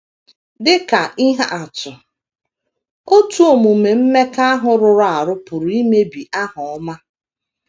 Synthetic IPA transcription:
dɪ˦ka˨i˦ɦa˦a˨tʊ˨ | o˦tu˦o˨mu˨me˨m̩˦me˦ka˦a˦ɦʊ˨ɾʊ˨ɾʊ˦a˨ɾʊ˦pʊ˨ɾʊ˨i˦me˦bi˨ʔa˦ɦʊ˨ɔ˦ma˦

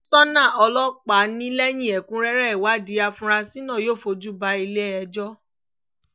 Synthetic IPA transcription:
sɔ˦nã˦˨ɔ˧lɔ˦k͡pa˨˦nĩ˦lɛ˦j̃ĩ˦˨ɛ˨kũ˦ɾɛ˦ɾɛ˦ɛ˨wa˨˦di˨˦a˧fũ˧ɾa˧si˦nã˦˨joː˦˨fo˧d͡ʒu˦ba˧i˧le˦ɛ˧d͡ʒɔ˦

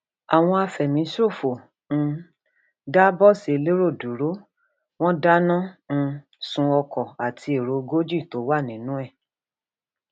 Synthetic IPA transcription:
a˨w̃ɔ̃˧a˧fɛ˨mĩ˨˦ʃo˦˨fo˨ | ñ̩˧ | da˦bɔ˦˨se˨˧le˦ɾo˦˨du˨ɾo˨˦ | w̃ɔ̃˦da˦nã˦ñ̩˧ | sũ˧ɔ˧kɔ˨a˨tʰi˧e˨ɾo˨˦ɡo˦d͡ʒi˦˨to˨˦wa˦˨nĩ˨˦nũ˦ɛ˦˨

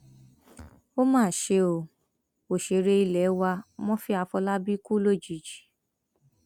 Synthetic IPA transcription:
o˦mãː˦˨ʃe˧o˨ | o˨ʃe˧˦ɾe˧i˧lɛ˨˦wa˧mɔ̃˦fi˦a˧fɔ˧la˦bi˦ku˦lo˦˨d͡ʒi˨d͡ʒi̥˨

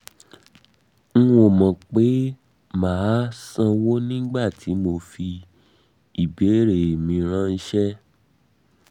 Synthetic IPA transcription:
ŋ̩˦ũ˦o˨mɔ̃˨k͡pe˨˦ | maː˨˦sã˧wo˦nĩ˦ɡ͡ba˦˨tʰi˨˦mo˧fi˧ | i˨be˨˦ɾe˨mĩ˧ɾ̃ã˦˧n̩˦ʃɛ˦

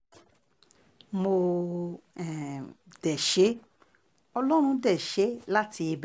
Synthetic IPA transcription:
mo˧ | ɛ˨d̥ɛ˨ʃe˨˦ | ɔ˧lɔ˦ɾ̃ũ˧dɛ˦˨ʃe˨˦la˦ti˧e˧b

